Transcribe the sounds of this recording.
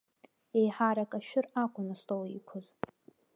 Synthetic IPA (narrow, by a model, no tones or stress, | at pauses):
e̞jħaɾakʼaʃᶣʊrakʷʼʊnastʼowikʷʰʊz